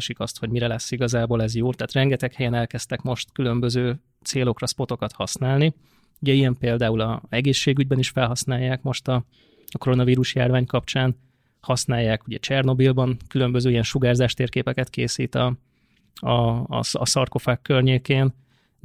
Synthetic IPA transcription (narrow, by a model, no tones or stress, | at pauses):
ʃikɒst̪ho̞ɟmiɾɛlɛsːiɡɒzaːboːlɛzjoːt̪ɛːt̪rɛŋɡɛt̪ɛkhɛjɛnɛlkɛst̪ɛkmo̞ʃt̪kylø̞mbøzøː | t̪seːlo̞krɒspo̞t̪o̞kɒt̪hɒsnaːlni | uɟɛijɛmpeːld̪aːulɒɛɡeːʃːeːɡyɟbɛniʃfɛlɦɒsnaːjːaːkmo̞ʃt̪ɒ | ɒko̞ɾo̞nɒviːɾuʃja̰ːrvaːɲkɒp̚t͡ʃaːn | hɒsnaːjːaːkuɟɛt͡ʃɛrno̞bilbɒŋkylø̞mbø̞zøːijɛnʃuɡaːrzaːʃt̪eːrkeːpɛkɛt̪keːsiːt̪ɒ | ɒ̰ɒsɒrko̞faːkːørɲeːkeːn